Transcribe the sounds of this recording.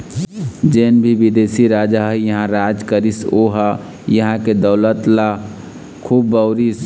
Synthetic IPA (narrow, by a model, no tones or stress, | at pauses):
d͡ʒeːnbʱiʋid̪eːsiɾaːd͡ʒaɦjɐɦãɾaːd͡ʒkəɾisoɦa | jɐɦãked̪ɐʊlət̪la | kʰuːbːəʊɾis